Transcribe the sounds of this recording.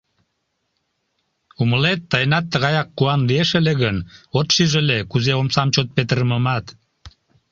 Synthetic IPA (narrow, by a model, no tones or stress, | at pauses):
uməlet̪ːɑjnɑt̪ːəɣɑjɑkːuɑnlieʃeleɣənot̪ʃiʒelekuzeomsɑmt͡ɕot̪̚pet̪əɾəməmɑt̪